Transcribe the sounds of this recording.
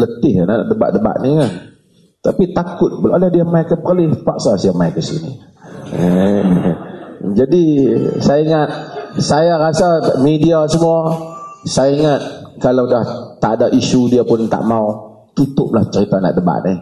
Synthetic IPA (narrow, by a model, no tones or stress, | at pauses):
lət̪ɪhanaʔa̰ʔdəba̰ʔdəba̰ʔniŋa | t̪apit̪akʊt̪̚bəladahdiamajkəpərlɪhpaʔsasiamajkəsḭnḭ | d͡ʒadisajaiŋat̪̚sajaɾasamidiasəmuasajaiŋat̪̚kalawdaht̪a̰ʔdaʔisudiapʊnt̪a̰ʔmau | t̪ut̪ʊp̚laht͡ʃəɾit̪ana̰ʔdəba̰ʔni